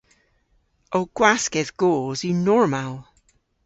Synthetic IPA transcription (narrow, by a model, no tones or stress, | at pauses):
ʔoːɡ̥waskɛðɡ̥oːzjənɔɹmalˠ